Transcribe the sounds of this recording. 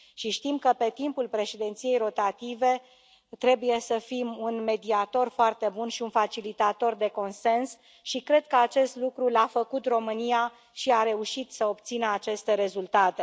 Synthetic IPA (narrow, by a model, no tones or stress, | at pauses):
ʃiʃt̪imkəpe̞t̪impulpɾe̞ʃed̪ent̪sije̞jɾo̞t̪at̪ive̞ | t̪ɾe̞buje̞səfimunme̞d̪iat̪o̞rfoart̪e̞bunʃiunfat͡ʃilit̪at̪o̞rd̪e̞ko̞nse̞ns | ʃikɾe̞d̪̚kəat͡ʃe̞st̪lukɾulafəkut̪ro̞mɨnija | ʃiaɾe̞uʃit̪səo̞b̚t̪sinəat͡ʃe̞st̪e̞ɾe̞zult̪at̪e̞